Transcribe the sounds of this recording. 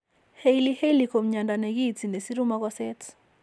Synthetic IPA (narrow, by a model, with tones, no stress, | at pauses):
he˦jli˦he˦jli˨ko˨mɲa˨nda˨ne˨ki˦ti˨ne˨si˦ɾu˦ma˦k̬wa˦sɛ˦t